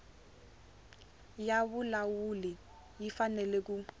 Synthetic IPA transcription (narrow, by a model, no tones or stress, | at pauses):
jaβʊlawuli | jifanɛlɛk̬u